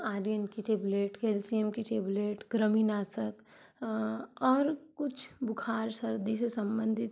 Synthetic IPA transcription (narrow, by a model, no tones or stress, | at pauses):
aːɾijənkiʈeːbleːʈkeːlsiemkiʈeːbleːʈɡɾəminaːsək | ɔːɾkʊt͡ʃʰbʊkʰaːɾsɐɾd̪isesɐ̃mbə̃nd̪ʱɪt̪